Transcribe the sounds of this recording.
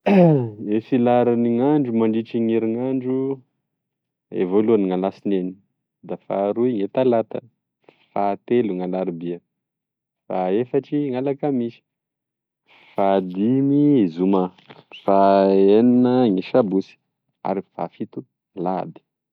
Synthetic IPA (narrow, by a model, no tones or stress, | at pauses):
esilaɾiniŋaɳɖ͡ʐumaɳɖ͡ʐiʈ͡ʂiŋiɾiŋaɳɖ͡ʐu | ḛvoluaniŋalasineni̥ | d̪afa̰ɾuiŋet̪alat̪ə̰ | fat̪eluŋalaɾibiə | faefaʈ͡ʂiŋalakəmisi̥ | fad̪imizuma | faeninəŋiʃabusi̥ | a̰ɾifa̰fit̪u | lab̪i̥